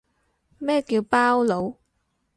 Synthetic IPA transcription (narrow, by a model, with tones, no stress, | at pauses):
mɛː˥kiː˧wpaː˥wlo˨˧w